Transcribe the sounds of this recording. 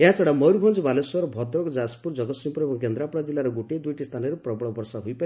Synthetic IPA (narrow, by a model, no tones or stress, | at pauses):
eɦat͡sɔɽamʌwɾbʱɔnd͡zibalesɔɾbʱʌd̪ɾɔkod͡zaspuɾd͡zʌɡʌsimpɾmakend̪ɾapɽad͡zilːaɾoɡuʈed̪ujʈist̪ʰanʌɾuprʌbɭɔbɔrsaɦujpʌ